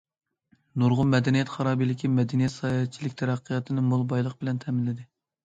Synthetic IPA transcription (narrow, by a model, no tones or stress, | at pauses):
nuɾʁʊmɛd̪ɛnijɛt̪χɑɾɑːbilɪkʲʰimɛd̪ɛnijɛt̪sɑjɛt͡ʃʰilɪkʲt̪ʰæɾæqʰːəjɑt̪ʰɨnɨmolˠbɑjlˠəq̚bɪlɛnt̪ʰɛmɪlːɪd̪ɪ